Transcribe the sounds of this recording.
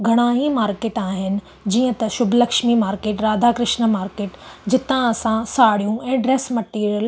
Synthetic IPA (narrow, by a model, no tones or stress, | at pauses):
ɡʱɐɽ̃ãːɦimaːɾkeːʈaːɦɪnɪ̆ | d͡ʑiːə̃t̪ɐʃʊbʱlɐkʃmimaːɾkeːʈɾaːd̪ʱakɾɪʃnəmaːɾkeːʈd͡ʑɪt̪ãɐsãsaːɽijũʔɛ̃ːɖɾeːsmɐʈiːɾijəl